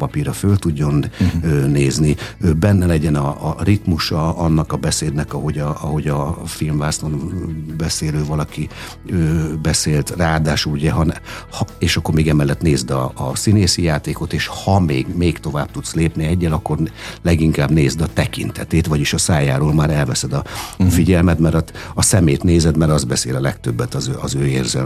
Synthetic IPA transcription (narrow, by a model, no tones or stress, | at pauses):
pɒpiɾɒfølt̪uɟːo̞nøːneːzniøbɛnːɛlɛɟɛnɒːrit̪muʃɒɒnːɒkɒbɛseːd̪nɛkɒɦo̞ɟɒɒɦo̞ɟɒfilmvaːslonbɛseːløːvɒlɒki | øːbɛseːlt̪raːd̪aːʃuluɟɛɦɒnɛhɒeːʃɒkːo̞rmeːɡɛmɛlːɛt̪neːzd̪ɒːsineːsijaːt̪eːko̞t̪eːʃhɒmeːɡmeːkt̪o̞vaːb̚t̪ut̪sleːpniɛɟːɛlɒkːo̞rlɛɡiŋkaːbneːzd̪ɒt̪ɛkḭnt̪ʰɛt̪eːt̪ʋvɒɟiʃɒsaːja̰ːɾoːlmaːɾɛlvɛsɛd̪ɒfiɟɛlmɛt̪mɛɾɒɒsɛmeːt̪neːzɛd̪mɛɾɒzbɛsḛːlɒlɛkt̪øbːɛt̪ɒzøɒzøːḛːrzɛ̰l